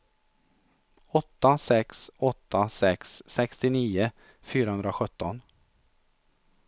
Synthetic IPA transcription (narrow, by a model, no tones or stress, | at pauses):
ɔt̪ːasɛksɔt̪ʰːasɛksːɛkst̪ɪniːə | fyːɾahɵnd̪ɾaɧɵt̪ːɔn